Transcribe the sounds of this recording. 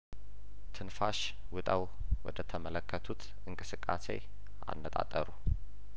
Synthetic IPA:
t̪ʰɨnfaʃ | wʊt̪ʼaw | wɔd̪ət̪ʰəmələkʰːət̪ʰut̪ | ɨŋkʼɨsɨkʼːase̞̰ | a̰nːət̪ʼa̰t̪ʼːəɾu

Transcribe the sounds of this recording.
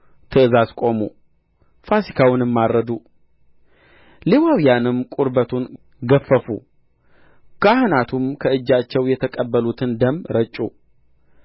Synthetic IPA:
t̪ʰɨɨzazkʼo̞mṵ | fasikʰawʊnɨmːaɾːəd̪u | lewawijanɨmkʼuɾbət̪ʰun | ɡəfːəfṵ | ɡ̥ahɨnat̪ʰumkʰəɨd͡ʒːat͡ʃːɛwjɛt̪ʰəkʼəbːəlut̪ʰɨnd̪əmːɾət͡ʃʼːṵ

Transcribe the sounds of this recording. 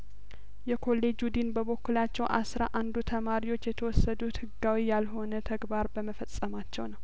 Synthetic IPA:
jɛkʰo̞lːe̞d͡ʒud̪inbəβo̞kːulat͡ʃːɛwʔasɾaʔand̪ut̪ʰəmaɾiwo̞t͡ʃːjɛt̪ʰəwɔsːəd̪ut̪hɨɡːawijalɦo̞nət̪ʰəɡbaɾbəməfəsʼːəmat͡ʃːɛwnəw

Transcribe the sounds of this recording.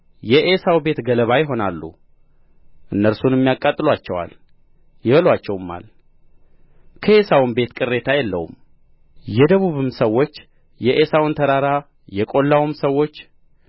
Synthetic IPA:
jɛʔesawbe̞t̪ɡələβajɪɦo̞nalːṵ | ʔɨnːəɾsunɛmːijakʼːat̪ʼːɨlwat͡ʃːɛwa̰l | jɪβəlwat͡ʃːɛwmːa̰l | kʰəʔe̞sawɨnbe̞t̪kʼɨɾːe̞t̪ʰajɛlːə̰wṵm | jɛd̪əβuβɨmsəwːo̞t͡ʃː | jɛʔesawɨnt̪ʰəɾaɾa | jɛkʼo̞lːawɨmsəwːo̞t͡ʃː

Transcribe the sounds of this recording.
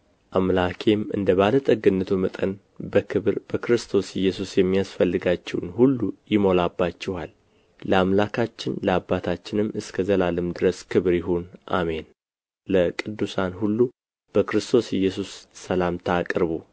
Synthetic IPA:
ʔamlakʰe̞mɨ̰nd̪əβalət̪ʼəɡɨnːət̪ʰumət̪ʼən | ɨɾbəkɾɨst̪ʰo̞sjɪjːɛsusjɛmːijasfəlːɨɡat͡ʃːɛwnhulːujɪmo̞labːat͡ʃːɛhalː | əamlakʰat͡ʃːɪnləabːat̪ʰat͡ʃːɪnɨmːɨskʰəzəlalɨmd̪ɨɾəskʰɨβɾjɪɦonʔa̰me̞n | ləkʼɨd̪ːusanhulːu | b̥əkɾɨst̪ʰo̞sjɛjːɛsusːəlamt̪ʰəakʼɾβo

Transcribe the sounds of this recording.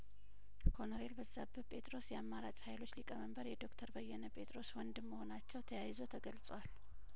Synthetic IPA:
kʰo̞nɾe̞lbəzːabɨpʼʰe̞t̪ʼɾo̞sjɛamːaɾat͡ʃʼhajlo̞t͡ʃːlikʼəməmbəɾjɛd̪o̞kt̪ʰəɾbəjːɛnəpʼe̞t̪ʼɾo̞swɔnd̪ɨmːəho̞nat͡ʃːɛwt̪ʰəjajzot̪ʰəɡəlsʼwal

